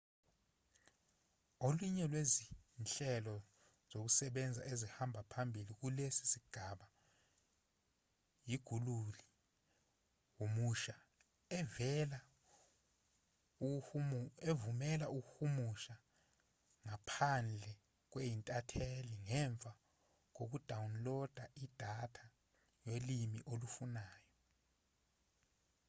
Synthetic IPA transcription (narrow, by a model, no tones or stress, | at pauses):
oluɲɛlwezinɬɛlɔ | z̥ok̬usɛɓɛnd͡zʱa̰ʔezihambʱapʰambʱilik̬ulesi̥siɡ̥ʱaɓa | jiɡ̥ʱululi | womuʃa | ɛvɛla | evumɛlaʔuk̬uxumuʃa | ŋapʰand͡ɮʱɛ | k̬wejintʼatʰeliŋɛɱb̪vʱa | k̬ok̬ud̥ʱawunlɔd̥ʱaʔid̥ʱatʰa | jelimiʔolufunaːjɔ